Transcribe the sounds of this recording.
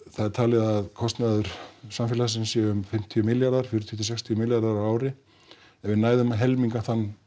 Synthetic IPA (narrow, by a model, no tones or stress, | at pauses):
θaðɛɾ̥t̪ʰaːlɛðaaðkʰɔst̪naðʏɾ̥samfjɪːlas̬ɪnsjɛʏmfɪm̥t̪ʰiʏmɪljaɾðaɾ̥fjʏɾʏt̪ʰjʏt̪̬ʰːɪsɛkst̪ʰiʏmɪljaɾðaɾawaːwɾɪ | ɛvɪnaːjðʏmaɦɛlmiŋkaθanː